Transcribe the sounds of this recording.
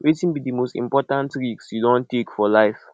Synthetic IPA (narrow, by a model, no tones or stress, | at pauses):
wʔetĩnbidimostḭ̃mpɔtãntɹiksjudɔ̃ntekfɔlaɪf